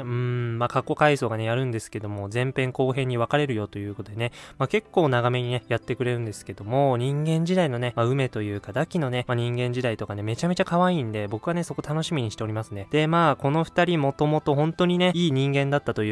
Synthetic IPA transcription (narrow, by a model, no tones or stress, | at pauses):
ɯ̟̃makakːo̞kaiso̞ːɡane̞jaɾɯ̟̃nd̪e̞sɨ̥ke̞d̪o̞mo̞zẽ̞mpẽ̞ŋko̞ːɦẽ̞ɲ̟ːiβ̞akaɾe̞ɾɯ̟jo̞t̪o̞jɯ̟ːkot̪od̪e̞nemake̞kːo̞ːnaɡame̞ɲ̟ine̞jat̪ːe̞kɯ̟ɾe̞ɾɯ̟̃nd̪e̞sɨ̥ke̞d̪̥o̞mo̞ɲ̟ĩŋɡẽ̞ɲ̟d͡ʑid̪aino̞ne̞maɯ̟me̞t̪o̞jɯ̟ːkad̪akʲino̞ne̞maɲ̟ĩŋɡẽ̞ɲ̟d͡ʑid̪ait̪o̞kane̞me̞t͡ɕame̞t͡ɕakaβaiːnd̪e̞bo̞kɯ̟βane̞so̞ko̞t̪ano̞ɕimʲiɲ̟iɕi̥t̪e̞o̞ɾʲimasɨne̞d̪̥e̞maːko̞no̞ɸɯ̟̥t̪aɾʲimo̞t̪o̞mo̞t̪o̞ɦõ̞nt̪o̞ɲ̟ine̞iːɲ̟ĩŋɡẽ̞nd̪at̪ːat̪o̞j